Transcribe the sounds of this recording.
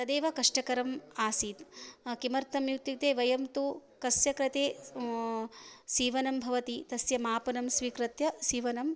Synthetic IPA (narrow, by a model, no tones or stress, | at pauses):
t̪ɐd̪eːʋɐkɐʂʈɐkɐɾɐmaːsiːt̪kimɐɾt̪ʰɐmjut̪jit̪eːʋɐjɐmt̪ukɐsjɐkɾɐt̪eː | siːʋɐnɐmbʱɐʋɐt̪it̪ɐsjɐmaːpɐnɐmsʋiːkɾɐt̪jɐsiːʋɐnɐm